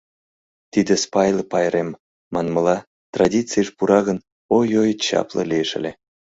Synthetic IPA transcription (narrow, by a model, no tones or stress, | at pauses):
t̪id̪espɑjlpɑjɾemː | ɑnməlɑ | t̪rɑdʲit͡sɨjəʃpuɾɑɣən | ojojət̪t͡ɕɑ̰plə̰lʲieʃə̰̆lʲe